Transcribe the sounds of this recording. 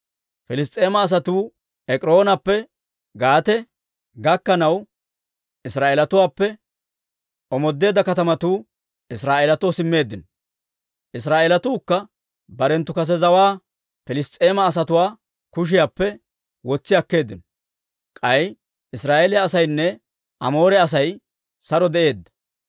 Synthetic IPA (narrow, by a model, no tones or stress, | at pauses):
fɪlɪs̬t̪ʼːe̞ːmɐːs̬ɐt̪uː | ɛkʼɾo̞ːnɐpːɛ | ɡaːt̪ɛ | ɡɐkːɐnɐw | ɪsɾaːʔeːlɐt̪ʊwaːpːɛ | ʔɔmɔd̪ːe̞ːd̪ɐkɐt̪ɐmɐt̪uː | ɪsɾaːʔelɐt̪osɪmːe̞ːd̪ːɪnɔ | ʔɪs̬ɾaːʔelɐt̪uːkːɐ | bɐɾɛnt̪ːʊkɐs̬ɛzɐwaː | fɪlɪst̪ʼːe̞ːmɐːs̬ɐt̪ʊwaː | kʊʃ̬ɪjaːpːɛ | wɔt͡sːɪjɐkːe̞ːd̪ːɪnɔ | kʼɐj | ɪsɾaːʔeːlɛɐsɐjnːɛ | ʔɐ̰mo̞ːɾɛɐs̬ɐj | sɐɾɔd̪ɛʔe̞ːd̪ːɐ̥